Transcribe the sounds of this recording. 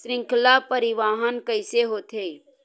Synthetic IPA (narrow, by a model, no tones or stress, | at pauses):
sɾɪ̃ŋkʰlapəɾɪʋaːɦənkəɪseɦoːt̪ʰe